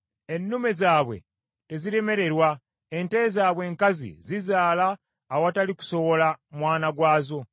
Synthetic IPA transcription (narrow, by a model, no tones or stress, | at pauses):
e̞nːume̞zaːβwe̞̰ | te̞ziɾe̞me̞ɾe̞ɾwa | ente̞zaːβwe̞ːŋkazḭzizaːlaː | wataliku̥so̞βo̞lamwaːnaɡwaːzo̞